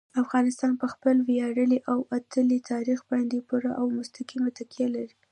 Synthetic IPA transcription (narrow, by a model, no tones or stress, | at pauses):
afɣɑnɪst̪ɑnpəxpəlwjɑɽəliʔawat̪ʰəlit̪ʰɑɾixband̪epuɾaʔawmʊst̪aqimat̪akjalaɾi